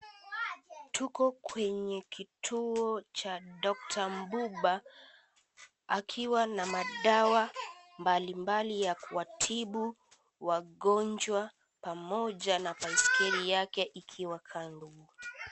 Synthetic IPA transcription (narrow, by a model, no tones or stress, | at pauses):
tʰukɔkwɛɲɛkʰitʰuɔt͡ʃaɗɔk̚tʰam̩buɓa | akʰiwanamaɗawambalimbalijakuatʰiɓu | waɠɔnd͡ʒwa | pamɔʄanapaiskɛɾijakɛʔikʰiwakʰanduu